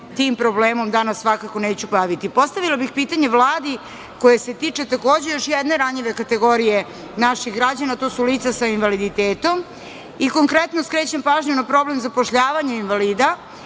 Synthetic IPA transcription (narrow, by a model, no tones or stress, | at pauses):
t̪iːmpɾo̞bleːmo̞md̪anasːʋakako̞neːt͡ɕupaʋit̪ipo̞st̪aʋilabixpiːt̪aɲe̞ʋlˠaːd̪i | ko̞jese̞t̪iːt͡ʂe̞t̪akoːd͡ʑe̞jo̞ʃjed̪ne̞ɾaɲʎiʋe̞kat̪eɡo̞ɾije̞ | naʃixɡɾad͡ʑanat̪oːsuliːt̪sasainʋalid̪it̪eːt̪o̞m | iko̞ŋkɾet̪noskɾeːt͡ɕempaːʒɲunapɾo̞blemzapoʃʎaːʋaɲeinʋaliːd̪a